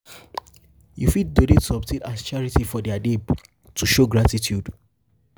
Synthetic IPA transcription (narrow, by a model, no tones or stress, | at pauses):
jufid̚dolitʰuɔp̚tʰẽnast͡ʃaɹitifɔdɛadeb | tʰuʃoɡɹatitjud